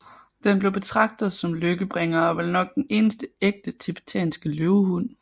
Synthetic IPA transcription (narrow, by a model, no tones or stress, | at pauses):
d̥enb̥le̝ʊb̥e̝t͡sʰʁɑ̈ɡ̥̚d̥ð̞̩ˠsɒ̽mløɡ̥əb̥ʁeŋɐɒʋelnɒ̽ɡ̥̚d̥ene̝ːnəsd̥əeɡ̥̚d̥ət͡sʰib̥ʰi̥t͡sʰɛ̰ːnsɡ̥əløʊhun̰